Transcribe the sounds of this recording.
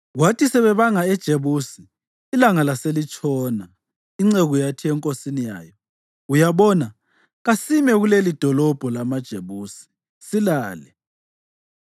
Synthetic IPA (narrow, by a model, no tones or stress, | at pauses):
ɣwatʰisɛβɛβaŋaɛd̥ʒ̥ʱeβusiː | laŋalaselit͡ʃʼɔːna | iŋ͡ǀeɣujatʰiɛŋkʼosinija̰ːjɔ | ujaβɔna | ɣasimɛɣulelid̥ʱɔlɔb̥ʱɔlamad̥ʒ̥ʱeβuːsi̥ | silaːlɛ